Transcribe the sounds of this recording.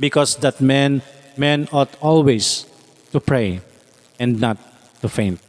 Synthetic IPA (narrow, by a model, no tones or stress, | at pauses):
bɪkɔsd̪at̪̚mɛ̃n | mɛ̃nɔt̪ɔlwes | t̪upɹeɪ | ɛ̃nd̪nat̪ː | ufẽɪ̃nt̪̚